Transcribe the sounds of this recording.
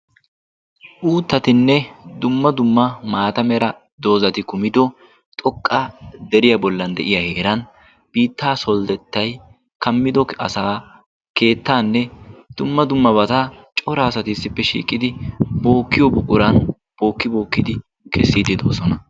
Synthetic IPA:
ʔuːt̪ːɐt̪ɪnːɛd̪ʊmːɐd̪ʊmːɐmaːt̪ɐmɛɾɐ | d̪o̞ːzɐt̪ɪkʊmɪd̪ɔ | t̪ʼɔkʼːad̪ɛɾɪjɐbɔlːɐnd̪ɛ̰ʔɪjɐhe̞ːɾɐn | b̥iːt̪ːaːsɔld̪ɛt̪ːɐj | kɐmːɪd̪ɔkɐ̰saː | ke̞ːt̪ːaːnːɛd̪̥ʊmːɐd̪ʊmːɐbɐt̪at͡ʃʼɔɾɐːsɐt̪ɪsːɪpːɛʃḭːkʼːɪd̪ɪbo̞ːkːɪjɔbʊkʼʊɾɐn | b̥o̞ːkːɪbo̞ːkːɪd̪ɪ | kʰɛsːid̪ɪd̪o̞ːsɔnɐ

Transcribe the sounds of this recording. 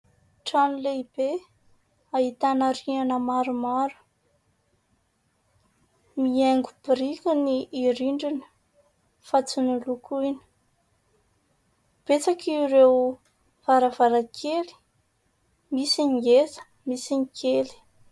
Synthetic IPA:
ʈ͡ʂanileib̥e | aɦit̪anaɾianəmaɾumaɾu̥ | mieŋɡub̥ɾikiniːɾiɳɖ͡ʐinə̥ | fat͡sunulukʰuini̥ | b̥et͡sakirew | v̥aɾavaɾakʰeli̥ | misiŋiezə̥ | misinikʰeli̥

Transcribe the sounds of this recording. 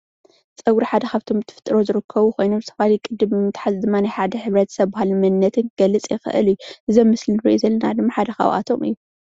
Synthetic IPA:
t͡sʼɐwɾiħad̪ɐxaβt̪ʰo̞mɨt̪ʰːɨfɨ̥t̪ʼːɨɾo̞zɨɾɨkʰːɐβukʰo̞jnomɨt̪ʰɐβalijkʼɨd̪ːɨmt̪ʰħazɨd̪ɨmːanajħad̪ɐħɨβɾɐt̪ʰsɐβbahalmɐnːɐt̪ʰɨnɡ̥ɐlːɨt͡sʼjɪxɨ̰ʔɨ̰ljuʔɨzomːɨsliɾiʔizɐlːɐnad̪ɨmːaħad̪ɐxa̰wʔa̰t̪ʰo̞̰mʔɨ̰jːu

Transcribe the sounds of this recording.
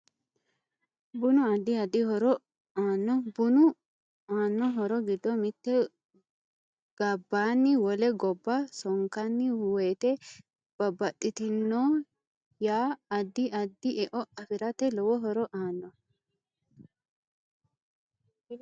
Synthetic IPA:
bʊnʊɐd̪ːɪɐd̪ːɪhɔɾɔ | aːnːɔbʊnʊ | aːnːɔɦɔɾɔɡɪd̪ːɔmɪt̪ːɛ | ɡ̥ɐbːaːnːɪwɔlɛɡɔbːɐsɔŋkɐnːɪweːt̪ɛ | b̥ɐbːɐɗɪt̪ɪnːoː | jaːd̪ːɪʔɐd̪ːɪʔɛʔɔɐfɪɾɐt̪ɛlɔwɔɦɔɾɔʔaːnːɔ

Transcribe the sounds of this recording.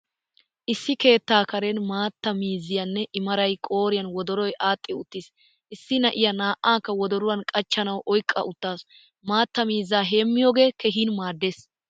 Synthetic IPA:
ʔɪsːɪke̞ːt̪ːaːkɐɾɛnmaːt̪ːɐmiːzːɪjɐnːɛʔɪmɐɾɐjkʼo̞ːɾɪjɐnwɔd̪ɔɾɔjʔaːt̪ʼːɪʊt̪ːɪs | ʔɪsːɪnɐʔɪjɐnaːʔaːŋkːɐwɔd̪ɔɾʊwɐnkʼɐt͡ʃːɐnɐwʔɔjkʼːɐ̰ʔʊt̪ːaːs | maːt̪ːɐmiːzːaːɦe̞ːmːɪjoːɡe̞ːkɛɦiːnmaːd̪ːeːs

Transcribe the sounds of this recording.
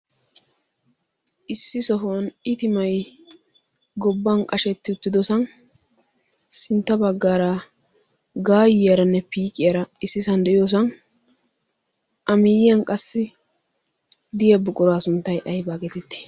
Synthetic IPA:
ʔɪsːɪsɔɦnɪt̪ɪmɐj | ɡɔbːɐnkʼɐʃɛt̪ːɪʊt̪ːɪd̪ɔsɐn | sɪnt̪ːɐbɐɡːaːɾa | ɡaːjɪjɐɾɐnːɛpiːkʼɪjɐɾɐɪsːɪsɐnd̪ɛʔɪjoːs̬ɐn | ʔɐmɪːjɪjɐnkʼɐsːɪ | d̪ɪjɐbʊkʼʊɾaːsʊnt̪ːɐjʔɐjbaːɡɛt̪ɛt̪ːɪ̥

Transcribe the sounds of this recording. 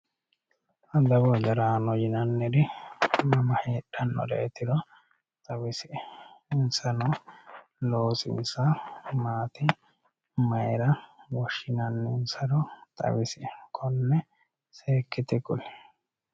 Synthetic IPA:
ʔɐd̪ɐbɔd͡ʒɐɾaːnɔjɪnɐnːɛd̪ɪmɐmɐheːᶑɐnːɔ̰d̪ɛ̰ɛt̪ːɪd̪ɔ | t̪ʼɐwɪsɪɪnsɐnɔ | loːsɪ̰nsɐmaːt̪ɪ | mɐjɛɾɐwɔʃːɪnɐnːɛɪnsɐd̪ɔt̪ʼɐ̰wɪsɪkʰɔnːɛ | seːkːɪt̪ɪkʊlɛ

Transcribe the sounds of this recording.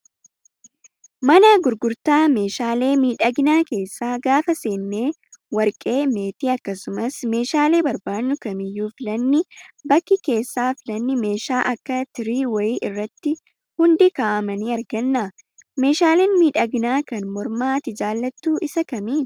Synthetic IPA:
mɐnɐɡʊɾɡʊɾt̪aːme̞ːʃaːle̞ːmiːᶑɐɡnaːke̞ːsːaːɡaːfɐse̞ːnːe̞ː | wɐɾkʼe̞ːme̞ːt̪iːɐkːɐsʊmɐsme̞ːʃaːle̞ːbɐɾbaːnːʊkɐmɪjːuːfɪlɐnːɪbɐkːɪke̞ːsːaːfɪlɐnːɪme̞ːʃaːʔɐkːɐt̪ɪɾiːwɐjiːʔɪrːɐt̪ːɪ | hʊnd̪ɪkaːʔɐmɐniːɐɾɡɐnːa | me̞ːʃaːleːnmiːᶑɐɡnaːkɐnmɔɾmaːt̪ɪd͡ʒaːlːɐt̪ːuːʔɪsɐkɐmiːn

